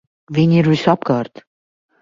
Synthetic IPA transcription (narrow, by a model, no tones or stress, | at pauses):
viniɾusɑpkɑɾt̪